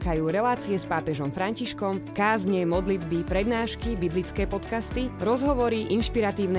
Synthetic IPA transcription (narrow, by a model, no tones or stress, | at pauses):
kajuːɾɛlaːt͡siɛspaːpɛʒɔmfɾaɲciʃkɔmkaːzɲɛmɔd̪lid̪bipɾɛd̪naːʃkibiblit͡skɛːpɔt̪kast̪iɾɔzɦɔʋɔɾiʔinʃpiɾat̪iːʊn